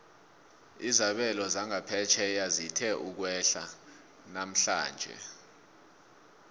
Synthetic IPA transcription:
izaɓɛlɔzaŋapʰɛt͡ʃʰɛjazitʰɛʔuk̬wɛɬa | nam̩ɬa̰ːnd͡ʒʱɛ̰

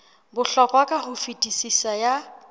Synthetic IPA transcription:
bʊɬɔkʼwakʼahʊfitʼisisaja

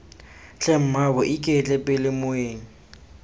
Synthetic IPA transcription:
t͡ɬɛm̩mabɔʔikʼet͡ɬʼɛpʼɪlɪmʊeːŋ̩

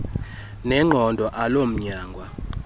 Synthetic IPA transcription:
nɛŋ͡ǃʱɔndʱɔʔalom̩ɲaːŋɡʱwa

